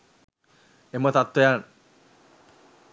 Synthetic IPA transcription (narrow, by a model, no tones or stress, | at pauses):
emət̪at̪ːejan